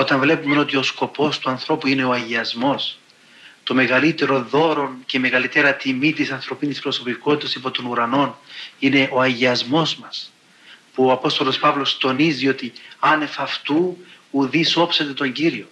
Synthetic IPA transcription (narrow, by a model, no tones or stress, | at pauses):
o̞t̪ɐɱvle̞pume̞no̞t̪io̞sko̞po̞st̪uɐnθɾo̞puine̞o̞ɐʝiɐzmo̞s | t̪o̞me̞ɣɐlit̪e̞ɾo̞ðo̞ɾo̞nce̞me̞ɣɐlit̪eɾɐt̪imit̪isɐnθɾo̞pinispɾo̞so̞piko̞t̪it̪ɐsipo̞t̪o̞nuɾɐno̞nine̞ʔo̞ɐʝiɐzmo̞zmɐs | puoɐpo̞st̪o̞lo̞spɐvlo̞st̪o̞nizio̞t̪iɐne̞fɐft̪u | uðiso̞pse̞t̪e̞t̪o̞ɲɟiɾio̞